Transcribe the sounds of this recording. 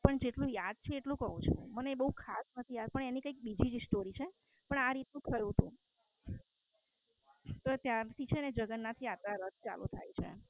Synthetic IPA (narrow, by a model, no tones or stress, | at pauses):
pəɳd͡ʒeʈlũjad̪̚t͡ʃʰeeʈlũkəɦũt͡ʃʰṵ̃məneebəɦukʰasnət̪ʰijad̪̚pəɳenikəik̚bid͡ʒid͡ʒsʈoɾit͡ʃʰe | pəɳaɾit̪nũkʰəjũt̪ṵ̃ | t̪ot̪jat̪ʰit͡ʃʰened͡ʒəɡənːat̪ʰiat̪ɾaɾət̪̚t͡ʃa̰lṵt̪ʰa̰jt͡ʃʰḛ